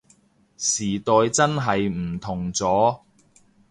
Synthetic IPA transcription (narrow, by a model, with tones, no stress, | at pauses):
siː˨˩t̪ɔː˨˧jt͡sɐ˥nɦɐ˨jm̩˨˩t̪ʰʊ˨˩ŋt͡sɔː˨˥